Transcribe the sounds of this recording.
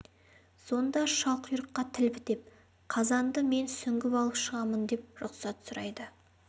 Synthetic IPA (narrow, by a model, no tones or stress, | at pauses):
so̞nd̪ɑʃɑlˠqʰʊjɾəqːɑt̪ʰɪlbɪd̪e̞p̚ | qʰɑzɑnd̪əme̞nsʏŋɡʲɪpɑlˠəpʃəʁɑmənd̪e̞p̚ɾʊqsɑt̪sʊɾɑjd̪ə